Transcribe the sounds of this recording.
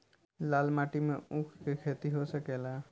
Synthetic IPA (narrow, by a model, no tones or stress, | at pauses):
lalmaʈimẽũkʰkekʰet̪iɦosəkela